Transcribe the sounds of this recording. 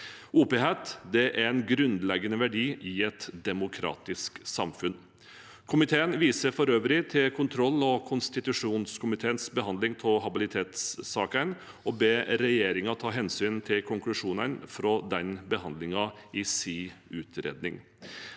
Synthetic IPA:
uːpeːheːt̪d̪ɛʔæɾɛnɡɾʉnd̪lɛɡənəʋæɖiːʔɪɛt̪d̪ɛmʊkʰɾɑ̰ːt̪ɪsksɑmfʉn | kʰʊmɪt̪ʰeːənʋiːsəɾfɔɾøːʋɾɪt̪ʰɪlkʰʊnt̪ʰɾɔlːɔkʰʊnst̪ɪt̪ʉʂuːnskʰʊmɪt̪ʰeːənsbəhɑnd̪lɪŋpʰɔɦɑbɪlɪt̪ʰeːt̪sːɑːkən | ɔbeːɾɛjeːɾɪŋɑt̪ʰɑːɦɛnsyːnt̪ʰɪlkʰʊŋklʉʂuːnənfɾɔd̪ɛnbəhɑnd̪lɪŋɑɪsiʉːt̪ʰɾḛːd̪nɪ̰ŋ

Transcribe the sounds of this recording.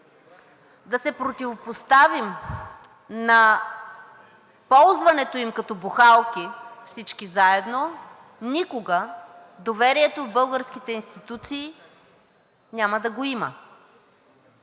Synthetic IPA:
d̪ɐsɛpɾot̪ivopost̪avim | nɐ | pɔlˠzvɐnɛt̪oimkɐt̪ɔbuxalˠkʲifsit͡ʃkizaɛd̪no | nʲikoɡə | d̪ovɛɾiɛt̪ovbɤlˠɡəɾskit̪ɛinst̪it̪ut̪siː | nʲamɐd̪ɐɡoimə̰

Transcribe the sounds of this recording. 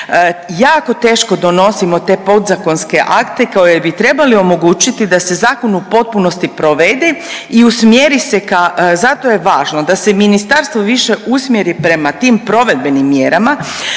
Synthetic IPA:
jaːko̞t̪e̞ːʃko̞d̪o̞no̞simo̞t̪e̞ːpo̞d̪zako̞nske̞ʔakt̪e̞kaojebit̪ɾe̞balio̞mo̞ɡuːt͡ʃit̪id̪ase̞zaːkonupo̞t̪̚puno̞st̪ipɾo̞ʋed̪eiusmjeɾisekazat̪o̞je̞ʋaːʒnod̪ase̞minist̪aɾst̪ʋoʋiʃe̞ʔusmje̞ɾipɾe̞mat̪iːmpɾo̞ʋe̞d̪̚be̞nimːje̞ɾama

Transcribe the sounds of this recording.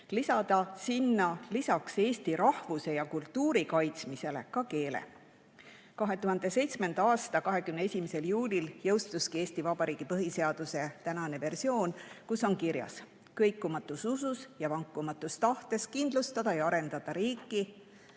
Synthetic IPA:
lisɑd̪̥ɑsinːɑlisɑkse̞ːst̪iɾɑhvuse̞jɑkult̪ːuːɾikɑjt̪smise̞le̞kɑke̞ːlḛ | kɑɦe̞t̪uɦɑnd̪e̞se̞jt̪sme̞nd̪̥ɑɑːst̪ɑkɑɦe̞kymneesʲimese̞ljuːlʲiljɤwst̪uskie̞ːsʲt̪ivɑbɑɾiːɡ̥ipɤɦise̞ɑd̪̥use̞t̪ænɑne̞ve̞rsio̞ːnkusːo̞nkiɾjɑ̰s | kɤ̞jkˑːumɑt̪ːˑusususjɑvɑŋkːˑumɑt̪ːˑust̪ɑht̪e̞skind̪̥lust̪ɑd̪̥ɑjɑɑɾe̞nd̪̥ɑd̪̥ɑɾiːkːˑi

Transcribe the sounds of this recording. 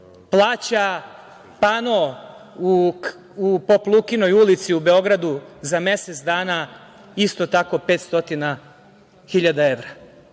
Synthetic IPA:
plˠaːt͡ɕa | pano | u | upoplˠukinojulit̪siube̞o̞ɡɾad̪uzamje̞set̪sd̪aːna | ist̪ot̪ako̞pe̞ːt̪st̪o̞t̪ina | xiʎad̪ae̞ʋɾa

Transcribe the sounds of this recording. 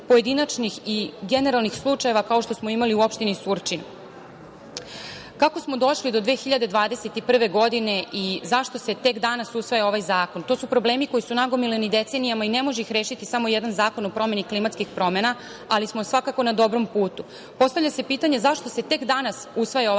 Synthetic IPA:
poje̞d̪inat͡ʃnixiɡe̞ne̞ɾalnixslˠut͡ʂaje̞ʋakao̞ʃt̪o̞smo̞imaliuopʃt̪inisuɾt͡ʃinu | kako̞smo̞d̪o̞ʃlid̪o̞d̪ʋeːxiʎad̪e̞d̪ʋaːd̪ese̞t̪ipr̩ʋe̞ɡo̞d̪ine̞ʔizaʃt̪ose̞t̪e̞kd̪anasusʋajao̞ʋajzaːko̞nt̪o̞ːsupɾoble̞ːmiko̞jisunaɡo̞milenid̪e̞t̪se̞nijamaine̞mo̞ʒeixɾe̞ːʃit̪isamo̞jɛd̪anzaːko̞nopɾo̞me̞niklimat̪skixpɾo̞me̞na | alismo̞sʋakako̞nad̪o̞bɾo̞mpuːt̪u | po̞st̪avʎʲase̞piːt̪aɲe̞zaʃt̪o̞se̞t̪e̞kd̪anasusʋajao

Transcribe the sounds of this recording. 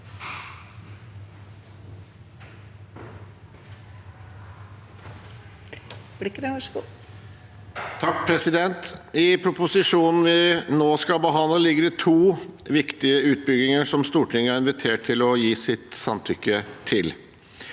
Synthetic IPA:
blɪkɾəʋɑʂɡu | t̪ʰɑk̚pʰɾɛsɪd̪ɛnt̪ɪpʰɾʊpʊsɪʂuːnn̩ʋɪnoːskɑlbəɦɑnləlɪɡəɾət̪ʰuːʋɪkt̪ɪəʉːt̪̚bʏɡɪŋəʂɔmst̪uːʈʰɪŋːəæɾɪnʋɪt̪ʰeːʈ̚ʰɪlɔjiːsɪt̪sɑmt̪ʰʏkːət̪ʰɪl

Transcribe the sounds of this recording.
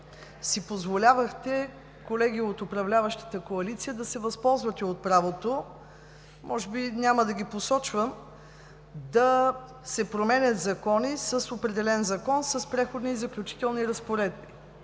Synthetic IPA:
sipozvolʲavəxt̪ɛ | kolɛɡʲiot̪ʊpɾɐvlʲavəʃt̪ə̥t̪əkoɐlit̪sijəd̪ɐsɛvɐspɔlˠzvət̪ɛot̪̚pɾavot̪o | mʔɔʒɛbinʲaməd̪ɐɡʲiposɔt͡ʃvəm | d̪ɐ | sɛpɾomɛnʲət̪zɐkɔnisəsopɾɛd̪ɛlɛnzɐkɔnsəspɾɛxod̪niːzɐklʲut͡ʃi̥t̪ɛlˠniɾɐspoɾɛd̪̚bi

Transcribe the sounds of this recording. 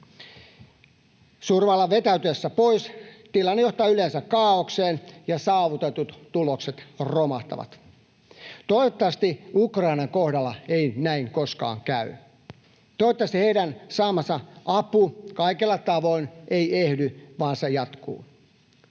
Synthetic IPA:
surʋɑlːɑʋet̪æyt̪yesːæpoist̪ilɑnːejoht̪ɑːylensækːɑːokseːnjɑsɑːʋut̪et̪ut̪t̪ulokset̪romɑht̪ɑ̰ʋɑ̰t̪ | t̪oiot̪ːɑɑst̪iukrɑinɑŋkohdɑlːɑeinæiŋkoskɑ̰ːŋkæy̰ | t̪ot̪ːɑst̪iheidænsɑːmɑsɑʔɑpukɑikelːɑt̪ɑʋoineiehdyʋɑːnsejɑt̪kṵː

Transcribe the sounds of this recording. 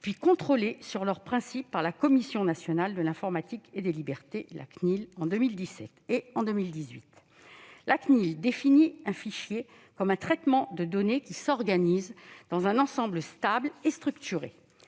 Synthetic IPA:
pɥikɔ̃t̪χolesyʁlœʁpχɛ̃sipːaʁlakɔmisjɔ̃nasjɔnald̪əlɛ̃fɔʁmat̪iked̪elibɛʁt̪elʔa̰knilɑ̃d̪ømild̪isɛt̪eɑ̃d̪ømild̪izɥit̪ | lʔaknild̪efiniɛ̃fiʃje | kɔmɛ̃t̪χɛt̪mɑ̃d̪əd̪ɔnekʲisɔʁɡanizd̪̥ɑ̃zɛ̃nɑ̃sɑ̃bləst̪ablest̪χykt̪yʁḛ

